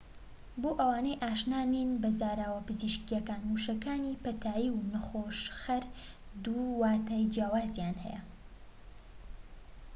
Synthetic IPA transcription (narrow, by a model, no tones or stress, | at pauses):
boːʔɐwaːnɐjʔaːʃnaːninbɐzaːɾaːwɐpɨziʃkijɛkaːnmuʃɐkaːniːpɐt̪ʰaːjiːwnɐxoːʃxɐɾd̪uwaːt̪aːjd͡ʒjaːwaːzjaːnhɛ̰jɐ̰